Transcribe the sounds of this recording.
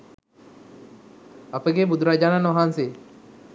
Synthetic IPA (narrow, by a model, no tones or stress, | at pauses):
ɐpəɡebud̪ʱuɾaːd͡ʒaːnanʋɐɦaːnse